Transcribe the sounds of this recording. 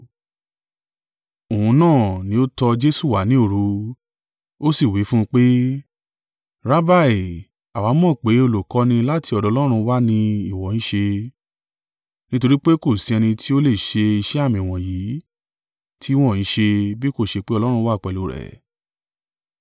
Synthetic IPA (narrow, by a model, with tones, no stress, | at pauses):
o˨hũ˧nãː˦˨nĩ˨˦o˦tɔ˧d͡ʒe˦su˦˨wa˨˦nĩ˨˦o˦˨ɾu˨˧ | o˦si˦˨wi˨˦fũ˦˧k͡pe˦ | ɾa˦ba˦˨e˨ | a˨wa˨˦mɔ̃˦˨k͡pe˨˦o˧lo˨kɔ˧˦nĩ˧la˦tʰi˧ɔ˧dɔ˧lɔ˦ɾ̃ũ˧wa˦nĩ˧i˦˨wɔ˨˦ĩ˦ʃe˧ | nĩ˦to˧ɾi˦k͡pe˦ko˦˨si˨˧˦ɛ˧nĩ˧tʰi˦o˦le˦˨ʃe˧i˧ʃɛ˦a˦˨mĩ˨w̃ɔ̃˨ji˨˦ | tʰi˦w̃ɔ̃˦˨ĩ˨˦ʃe˧bi˦ko˦˨ʃe˧k͡pe˦ɔ˧lɔ˦ɾ̃ũ˧wa˦˨k͡pɛ˨lo˨˦ɾɛ̰˨